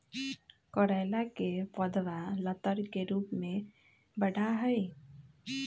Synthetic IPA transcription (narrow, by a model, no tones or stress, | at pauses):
kɔɾaɪlakepəd̪ʋalət̪əɾkeɾuːpmẽ | bəɽaɦəi